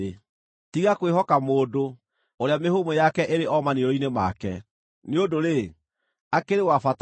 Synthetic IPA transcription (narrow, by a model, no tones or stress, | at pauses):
e | tiɣakweɦɔkamoːdo | oɾeamehomojakɛʔeɾeʔɔmaniɾɔinema̰kɛ̰ | neodoɾe | akeɾewafat